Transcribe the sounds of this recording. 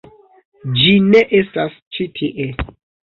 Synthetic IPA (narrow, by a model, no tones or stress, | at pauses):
d͡ʒineʔestast͡ʃitʰiʔe